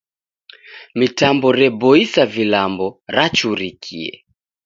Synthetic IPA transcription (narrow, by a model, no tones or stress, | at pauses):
mitambɔɾɛbɔisavilambɔɾat͡ʃuɾikʰḭɛ̰